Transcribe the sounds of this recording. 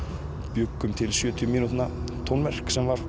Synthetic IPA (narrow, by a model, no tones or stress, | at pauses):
pjʏkːʏmt̪ʰɪlsjœːt̪ʰijʏmiːnut̪nat̪ʰownvɛr̥ksɛmvaɾ̥